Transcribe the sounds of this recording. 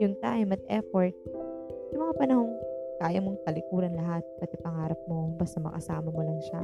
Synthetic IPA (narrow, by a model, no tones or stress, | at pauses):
jʊŋt̪aːʔɪmɐt̪̚ʔɛfoɹt̪̚jʊmɐŋapɐnɐho̞ŋkaːjɐmo̞ŋt̪ɐlɪkuːɾɐnlɐɦat̪̚pɐt̪ɛpɐŋaːɾɐp̚mo̞bɐst̪amɐ̰kɐ̰saːmɐmolɐŋʃa